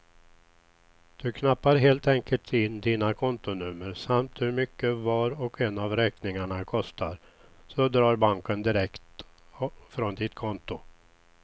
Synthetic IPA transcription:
d̪̥ɵkʰnapːaɾɦeːlt̪ɛŋkəlt̪ʰɪnːd̪iːnakʰɔnt̪ʊnɵmːəɾsamt̪hɵɾmʏkːəvɑːɾɔkɛnavɾɛːknɪŋaɳakʰɔst̪aɾ | sɔd̪ɾɑːɾbaŋkənd̪ɪɾɛkt̪ | fɾɔnd̪ɪt̪kʰɔnt̪ʊ

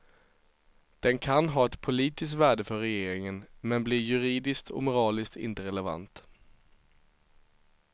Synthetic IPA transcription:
d̪̥ɛnkʰanɦɑːɛt̪pʰʊliːt̪ɪskt̪væːɖəfœɾːɛjeːɾɪŋənmɛnbliːjɵɾiːd̪ɪskt̪ʰɔ̰mʊɾɑːlɪskt̪ɪ̰nt̪əɾɛlɛva̰nt̪

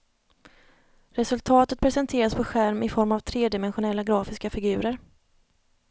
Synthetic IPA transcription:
ɾɛsɵlt̪ʰɑːt̪ət̪̚pʰɾɛsɛnt̪ʰeːɾaspʰɔɧæɾmɪfɔɾmavt̪ʰɾeːd̪ɪmɛnɧʊnɛlːaɡɾɑːfɪskafɪɡʉ̟ːɾəɾ

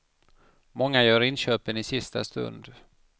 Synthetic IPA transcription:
mɔŋːajœːɾɪnɕøːpənɪsɪst̪a̰st̪ɵ̰nd̪

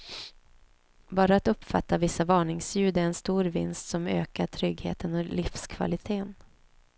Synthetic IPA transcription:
bɑːɾaat̪ɵpːfa̰t̪ːavɪsːavɑːɳɪŋsjʉ̟ːd̪æɾɛnst̪uːɾvɪ̰nst̪sɔmø̰ːkaʈʰɾʏɡhḛːt̪ənɔlɪfskʰva̰lɪt̪ʰeːn

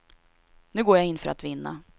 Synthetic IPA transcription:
nʉ̟ːɡoːjaɪnːfœɾʔa̰t̪vɪnːa̰

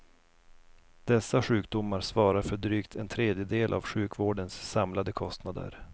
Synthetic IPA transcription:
d̪̥ɛsːaɧʉ̟ːk̚d̪ʊmːaɾsvɑːɾaɾfœɖɾyːkt̪ʰɛnt̪ʰɾeːd̪jəd̪eːlʔa̰vɧʉ̟ːkvoːɖənsːamlad̪əkʰɔst̪nad̪ə̰ɾ

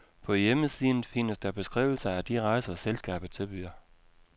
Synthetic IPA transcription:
pʰɒ̽jeməsiðˠn̩fi̝nəsd̥æb̥e̝sɡ̥ʁḭːʊ̰l̩sɐæd̥iʁɑ̈ɪ̰sɐselsɡ̥ɛ̰ːb̥ð̩ˠt͡sʰe̝b̥yɐ

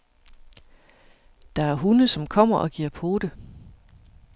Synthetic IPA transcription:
d̥ɑ̈æɐɦunəsɒ̽mkʰɒ̽m̰ɐʔɒ̽ɡ̥iɐ̰pʰo̝ːd̥ə

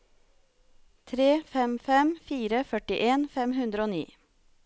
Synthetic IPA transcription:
t̪ʰɾeːfɛmfɛmfiːɾəfœʈɪʔeːnfɛmhʉnd̪ɾəoːnḭː

